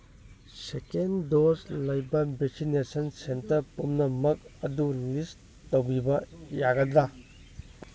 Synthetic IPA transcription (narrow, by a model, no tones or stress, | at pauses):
sekendoslɐjbɐbʱek̚sinesɐnsentɐɾpumnɐmɐk̚ɐdulis | towɡibɐjaɡɐdɐ